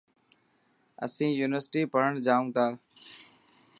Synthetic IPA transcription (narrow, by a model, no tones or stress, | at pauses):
ə̰sĩːjuːnɪʋəɾsʈiːpəɦəɳd͡ʒaːũːt̪ʰaː